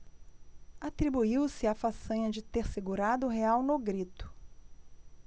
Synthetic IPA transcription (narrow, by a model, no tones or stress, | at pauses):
at̪ɾibuiwsɪafasɐ̃ɲɐd͡ʒɪt̪eɾseɡuɾad̪ʊɦeawnʊɡɾit̪ʊ̥